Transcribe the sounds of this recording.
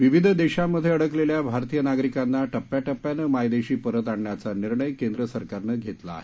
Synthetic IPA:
ʋiʋid̪ʱd̪eɕamːəd̪ʱjeəɽəkleljabʱaɾt̪ijənaɡɾikanːaʈəpːjaʈəpːjanəmajd̪eɕiːpəɾət̪aɳɳjat͡saniɾɳəjkend̪ɾəsəɾkaɾnəɡʱet̪la̰ːɦe

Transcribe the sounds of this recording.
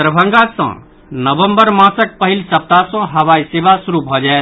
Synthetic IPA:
ɾəbʱə̃ŋɡasə̰̃ | nəbəmbəɾmãsək̚pəɦilsəp̚t̪asə̃ɦəʋaisebasuɾubʱɔd͡ʒaet̪

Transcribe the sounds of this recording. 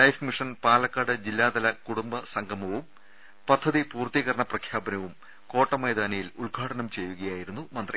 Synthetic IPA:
lɐjfmiʂɐnpaːlɐkːaːɽɨd͡ʑilːaːd̪ɐlɐkuɽumbɐsɐŋɡʱɐmɐʋum | pɐd̪ʱːɐðipuːrt̪iɣɐɾɐɳɐprɐkʰjaːbɐnɐʋum | ko̞ːʈːɐmejd̪aːnɐjiluɭɡʱaːɽɐnɐmt͡ɕe̞jːuɣɐjaːjiɾunːumɐnd̪ri

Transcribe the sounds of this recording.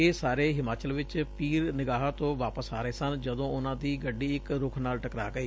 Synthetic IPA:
eːsaːɾeːɦɪmaːt͡ʃəlʋɪt͡ʃpiːɾnɪɡaːɦat̪õːʋaːpəsaːɾəeːsənd͡ʒəd̪õːʊnãːd̪iːɡəɖiːɪkɾʊkʰnaːlʈəkɾaːɡəiː

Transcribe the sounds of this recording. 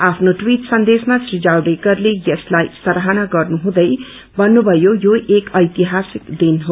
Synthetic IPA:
apʰnoʈwiʈsʌnd̪esmasrid͡ʒawɖekʌrlejʌslajsʌɾɦanaɡʌrnuɦũd̪ʌj | bʌnːubʱʌjojoʔekʌjt̪iɦasikd̪inɦo

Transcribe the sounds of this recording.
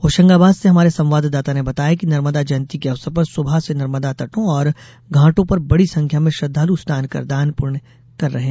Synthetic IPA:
oːʃə̃ŋɡaːbaːd̪seɦɐmaːɾesɐ̃mʋaːd̪d̪aːt̪anebɐt̪aːjakinɐɾməd̪ad͡ʒɐnt̪ikeɐʋsəɾpɐɾsʊbʱasenɐɾməd̪at̪ɐʈõɔːɾ | ɡʱãːʈõpɐɾbɐɽisɐ̃ŋkʰjamẽʃɐd̪ʱːaːlust̪ʰaːnkɐ̰ɾd̪aːnpʊɾɳ | kɐɾːɐɦẽː

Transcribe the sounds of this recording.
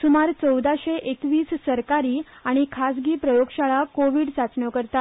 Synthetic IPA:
sumaɾt͡səwd̪aɕeʔekʋiːssəɾkaɾiːaɽ̃ikʰasɡiːpɾəjoɡɕaɭakoʋiːɽsat͡sɳjɔkəɾt̪at̪

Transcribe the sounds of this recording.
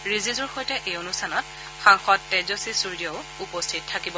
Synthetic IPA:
ɹizizʊɹxojtɛʔejonustʰanɔt̚ | xaŋxɔtːɛzosisuɹdijɔʊ | upɔstʰitʰːakibɔ

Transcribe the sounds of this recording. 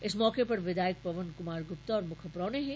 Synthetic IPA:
ɪsmɔːkepɐɾʋɪd̪aːjək̚pɐʋənkʊmaːɾɡʊpt̪aɔːɾmʊkʰəpɾɔːneɦɛ

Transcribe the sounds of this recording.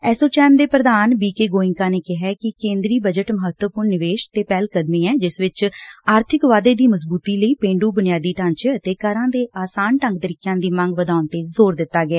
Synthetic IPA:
ɛːsoːt͡ʃɛːmd̪eːpɾəd̪aːnbiːkeːɡoːɪ̃ŋkaːneːkɪɦɛːkɪkẽːnd̪ɾiːbəd͡ʒəʈməɦət̪wəpʊɾnnɪʋeːʃt̪eːpɛːlkəd̪miːɛːd͡ʒɪsʋɪt͡ʃaːɾt̪ʰɪkʋaːd̪eːd̪iːməsbuːt̪iːləiːpẽːɳɖuːbʊnɪjaːd̪iːʈə̃nt͡ʃət̪eːkəɾãːd̪eːʔaːsaːnʈə̃ŋɡt̪əɾiːkjãːd̪iːmə̃ŋɡʋəd̪aːʊnt̪eːzoːɾd̪ɪt̪ːaːɡɪɛː

